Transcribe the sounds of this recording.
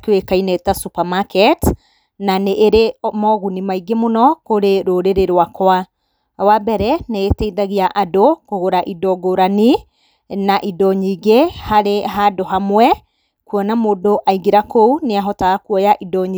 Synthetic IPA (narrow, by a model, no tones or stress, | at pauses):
kewekainɛtasupamakɛt | naneʔːɾemɔɣunimaiɡemonɔkoɾeɾoɾeɾeɾwakwa | wabɛɾɛneetɛiðaɣiaʔadokoɣoɾaʔidɔɡoɾani | naʔidɔɲiɡehaɾeɦadoɦamwɛ | kuɔnamoːdoʔaiɡeɾakouneaɦɔtaakuɔjaʔidɔɲ